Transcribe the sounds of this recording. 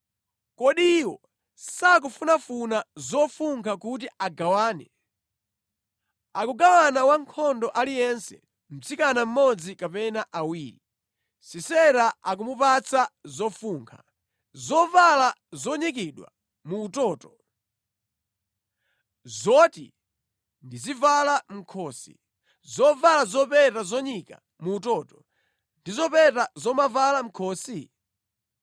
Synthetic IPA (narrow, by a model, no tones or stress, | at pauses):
kɔɗiwɔ̰ | sak̬ufunafunazɔfuŋkʰakut̬iʔaɡawaːnɛ | akuɡawanawaŋkʰɔndɔʔalijɛnsɛ̰ | m̩t͡sikanam̩mɔd͡zikapɛnaʔawiːɾi | sisɛɾaak̬umupat͡sazɔfuːŋkʰa̰ | zɔvalazɔɲik̬iɗwa̰ | muːtɔːtɔ | zɔtḭ | ndizivalam̩kʰɔːsḭ | zɔvalazɔpɛtazɔɲika̰ | muːtɔːtɔ | ndizɔpɛtazɔmavalam̩kʰɔːsi